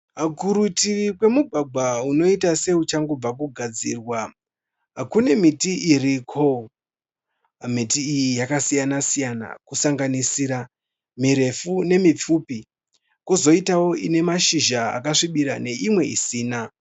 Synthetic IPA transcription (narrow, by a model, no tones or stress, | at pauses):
kuɾutirikwe̞muɡʱaɡʱauno̞itase̞ut͡ʃaŋɡob͡vakuɡʱad͡zḭːrwa | kune̞mitiʔirikʰo | mitiːjijakasijanasijana̰kusaŋɡanisiːɾa | miɾe̞fune̞mip͡fuːpi | kuzo̞itawo̞ine̞maʃiʒaa̰kaʂiɓiɾa̰ne̞ʔimwe̞ḭsiːna